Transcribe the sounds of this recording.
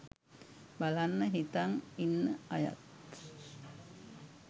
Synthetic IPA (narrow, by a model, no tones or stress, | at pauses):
balanːəɦit̪aŋinəaja̰t̪̚